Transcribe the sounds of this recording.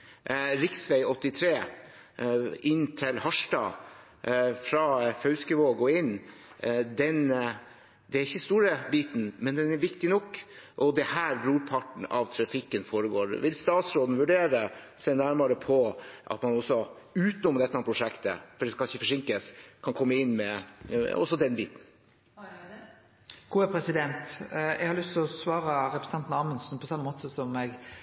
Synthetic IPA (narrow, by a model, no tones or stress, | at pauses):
ɾɪksʋɛɪɔt̪ːɪt̪ʰɾeː | ɪnːt̪ʰɪlhɑʂʈɑ̰ | fɾɑfœʉskəʋoːɡɔɪnː | d̪ɛn | d̪ɛæɾɪçːəst̪uːɾəbiːt̪n̩mɛnd̪ɛnæɾʋɪkt̪ɪnɔkːʔɔd̪ɛhæːɾbɾuːɾpʰɑʈɳ̩ɑ̰ʋt̪ʰɾɑfɪkːənfoːɾəɡoːɾʋɪlst̪ɑːt̪sɾoːd̪n̩ʋʉɖeːɾəsɛɪnæɾmɑɾəpʰɔʔɑ̰t̪mɑnɔsːɔ | ʉːt̪nɔmːəd̪ɛt̪ːəɑnpɾʊʂɛkt̪ə̰fɔɖɛskɑlɪçːəfɔʂɪŋkəskʰɑnkʰɔmːəɪnːmɛ | ɔ̰sːɔd̪ɛnbiːt̪n̩ | ɡ̥uːɛpʰɾɛsɪd̪ɛnt̪ɛ̰ɡhɑɾlʏst̪ɔsʋɑːɾəɾɛpɾs̩ɑnt̪nɑːmənsn̩pʰɔsɑmːəmoːt̪əsɔmɛɡ